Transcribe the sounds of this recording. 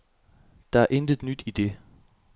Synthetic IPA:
d̥ɑ̈æɐʔend̥ð̩ˠnyd̥id̥e̝

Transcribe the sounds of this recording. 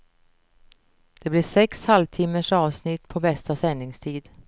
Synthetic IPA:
d̪̥ɛblɪʂɛkshalvt̪ʰɪmːəʂɑːvsnɪt̪pʰɔbɛst̪asɛnːɪŋst̪ʰiːd̪

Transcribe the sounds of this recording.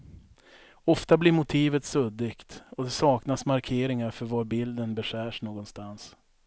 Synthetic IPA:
ɔft̪ablɪɾmʊt̪ʰiːvət̪sɵd̪ɪkt̪ɔd̪ɛsɑːknasmaɾkʰeːɾɪŋaɾfœɾvaɾbɪld̪ənbɛɧæːʂnoːɡɔnst̪ans

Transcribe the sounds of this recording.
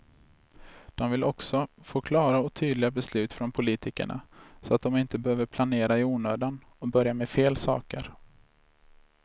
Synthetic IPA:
d̪̥ɔmvɪlɔksɔfoːkʰlɑːɾaɔt̪ʰyːd̪lɪɡabɛslʉ̟ːt̪fɾɔnpʰʊliːt̪ʰɪkə̰ɳa̰sɔat̪̚d̪ɔmɪnt̪əbɛhøːvəɾpʰlaneːɾaɪuːnøːd̪an | ɔbœɾjamɛfeːlsɑ̰ːkə̰ɾ

